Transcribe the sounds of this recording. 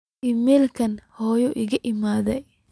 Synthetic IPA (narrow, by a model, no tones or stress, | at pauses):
imɛːlkʰɐnhɔːjɔʔɪɣɐʔɪmaːðɛj